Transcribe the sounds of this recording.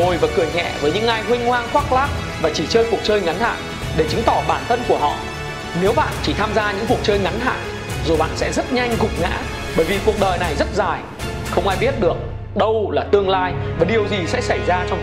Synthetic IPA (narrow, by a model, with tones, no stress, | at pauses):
o˨˩jvaː˨˩kɨ˨˧˩əjɲɛ̰˧˨vəː˨˦jɲɨ̰˧˥ŋʔaː˧jhwï˧ŋ̟hwaː˧ŋxwaː˦˥k̚laː˦˥k̚ | vaː˨˩t͡ɕi˧˩t͡ɕəː˧jku˨˩ək̚t͡ɕəː˧jŋa˨˦nha̰ː˧˨n | ɗe˧˩t͡ɕɨ˨˦ŋt̪ɔ˧˩ɓaː˧˩nt̪ʰə˧nku˧˩əɦɔ̰˧˨ | ne˨˦wɓa̰ː˧˨nt͡ɕi˧˩t̪ʰaː˧mzaː˧ɲɨ̰˧˥ŋfu˨˩ə˩k̚t͡ɕəː˧jŋa˨˦nɦa̰ː˧˨n | zo˨˩jɓa̰ː˧˨nsɛ̰˧˥zə˦˥t̚ɲa˧jŋ̟ɣʊ˨˩k͡p̚ŋa̰ː˧˥ | ɓəː˧˩jvi˨˩ku˨˩ək̚ɗəː˨˩jna˨˩jzə˦˥t̚zaː˨˩j | xə˧wŋ͡mʔaː˧jɓi˦˥ət̚ɗɨ˨˩ək̚ | ɗə˧wlaː˨˩t̪ɨ˧əŋlaː˧jvaː˨˩ɗi˨˩əwzi˨˩sɛ̰˧˥sa˧˩jzaː˧t͡ɕɔ˧ŋ͡m